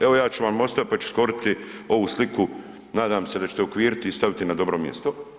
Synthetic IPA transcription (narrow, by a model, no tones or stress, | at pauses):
e̞ʋojaːt͡ʃuʋamo̞st̪apat͡ʃu̥skoɾit̪i | o̞ʋuːsliku | naːd̪aːmse̞d̪at͡ɕe̥t̪eokʋiːɾit̪ist̪aʋit̪inad̪o̞bɾo̞ːmjḛst̪o